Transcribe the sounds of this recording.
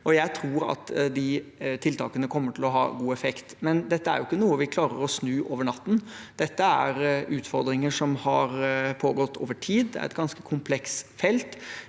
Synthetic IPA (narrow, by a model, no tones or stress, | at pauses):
ʔɔjæɪt̪ʰɾuːɾɑ̰t̪d̪ɪt̪ʰɪlt̪ʰɑ̰ːkənəkʰɔmːəʈʰɪlɔɦɑ̰ːɡuːɛfɛkt̪mɛnd̪ɛt̪ːəæ̰ɾjʊɪkːənuːəʋɪkʰlɑːɾəɾɔsnʉːʔoːʋəɳɑt̪ːn̩ | d̪̥ɛt̪ːəæɾʔʉːt̪fɔɾd̪ɾɪŋəʂɔmhɑɾpʰoːɡɔt̪ʰːoːʋəʈʰiːd̪d̪æ̰ɾɛ̰t̪ɡɑnskəkʰʊmpʰlɛksfɛlt̪